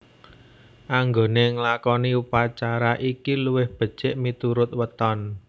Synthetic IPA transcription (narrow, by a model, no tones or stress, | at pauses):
ʔaŋɡoneŋlakɔniupat͡ʃaɾaʔikiluwɪhb̥ə̤d̥t͡ʃɪʔmit̪uɾʊt̪̚wət̪ɔn